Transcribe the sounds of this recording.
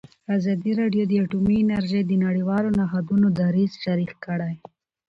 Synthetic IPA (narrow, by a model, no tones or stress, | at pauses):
azɑd̪iɾɑɖjod̪əaʈumiɪnaɾʒejd̪ənaɽiwɑlonaɦad̪unod̪aɾizʃaɾixkəɽaj